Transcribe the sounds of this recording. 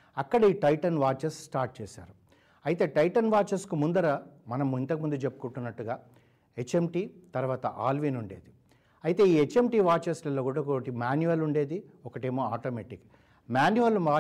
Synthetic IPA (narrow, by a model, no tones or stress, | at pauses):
ɐkːɐɽɐiːʈɐjʈɐnʋaːɾt͡ʃɐssʈaːɾʈ̚t͡ʃeːsa̰ːɾu | ɐjit̪e̞ːʈɐjʈɐnʋaːt͡ʃɐɾskumund̪ɐɾɐmɐnɐmːint̪ɐkimund̪ut͡ʃe̞pːu̥kuɳʈunːɐʈːuɡaː | et͡ʃːemʈiːt̪ɐɾuʋaːt̪ɐʔaːlʋinuɳɖḛːd̪i | ɐjit̪e̞ːiːet͡ʃːe̞mʈiːʋaːɾt͡ʃɐslɐlːoːkuːɽɐkoʈimaːnjuʋɐluɳɖe̞ːd̪i | ɔkɐʈe̞ːmoːaːʈoːmeːʈik | maːnjuʋɐlmaː